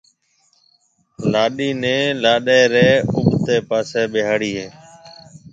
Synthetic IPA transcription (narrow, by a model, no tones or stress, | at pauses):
laːɗiːnẽːlaːɗeːɾeːʊɓt̪eːpaːseːɓeːɦaːɽiːɦeː